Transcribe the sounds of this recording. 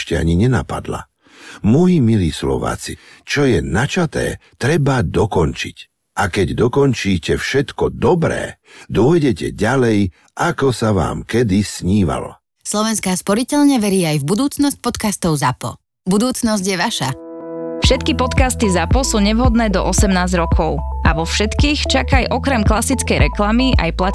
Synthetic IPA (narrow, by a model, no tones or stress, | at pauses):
ʃcɛa̰ɲiɲɛna̰pa̰d̪la̰ | mɔjimiliːslɔ̰ʋa̰ːt͡sit͡ʃɔjɛnat͡ʃat̪ɛ̰ːt̪ɾɛbad̪ɔkɔnt͡ʃic | ʔakɛɟd̪ɔkɔnt͡ʃiːcɛfʃɛt̪kɔd̪ɔbɾɛ̰ː | d̪ʊɔjɟɛcɛɟalɛj | ʔakɔsaʋa̰ːmkɛd̪isɲiːʋa̰lɔ̰ | slɔʋɛnskaːspɔɾicɛʎɲɛʋɛɾiːajvbud̪uːt͡snɔsc̚pɔt̪kast̪ɔʊzapɔ̰ | bud̪uːt͡snɔzɟjɛʋaʃafʃɛt̪kipɔt̪kast̪izapɔsuːɲɛʋɦɔd̪nɛːd̪ɔ̰ʔɔsɛmnaːzɾɔkʰɔʊaʋɔfʃɛt̪kiːxt͡ʃakajʔɔkɾɛmklasit͡skɛjɾɛklamiʔa̰jpla